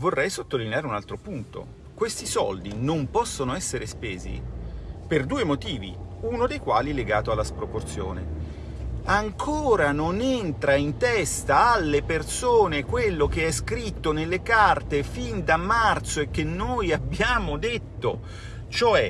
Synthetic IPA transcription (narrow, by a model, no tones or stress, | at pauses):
vorːɛjsot̪ːolineaːɾeunalt̪ɾopunt̪o̰ | kwest̪isɔ̰ld̪inompɔsːonoɛsːeɾespeːzḭperd̪uːemot̪iːvḭunod̪ejkwaːlileɡaːt̪oalːaspɾoport̪sjo̰ːnḛ | aŋkʰoːɾanonent̪ɾaint̪ɛst̪aːalːepertsoːnekwelːok̟eɛskɾit̪ːonelːekart̪efind̪amːart̪soek̟ːenːoːjabːjaːmod̪et̪ːo | t͡ʃoɛ